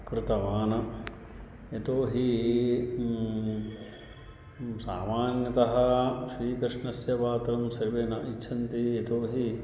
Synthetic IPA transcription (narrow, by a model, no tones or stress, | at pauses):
kɾɪt̪ɐʋaːnɐ | et̪oːɦi | sa̰ːmaːnjɐt̪ɐɦɐ̆ʃɾiːkɾɪʂɳɐsjɐpaːt̪ɾɐmsɐɾʋeːnɐʔit͡ʃːʃʰɐnt̪iet̪oːɦi